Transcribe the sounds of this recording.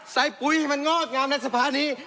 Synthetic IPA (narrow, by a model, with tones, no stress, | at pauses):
sa˨˦jpu˨˧˦jma˧nŋɔː˥˩k̪̚ŋaː˧mna˧jsa˧pʰaː˧˥niː˦˥